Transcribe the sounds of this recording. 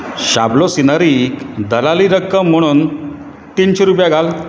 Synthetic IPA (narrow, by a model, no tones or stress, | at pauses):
ɕablosinaɾikd̪əlaliɾəkːəm̤ːəɽ̃uːn | t̪inɕeɾupjaɡʱal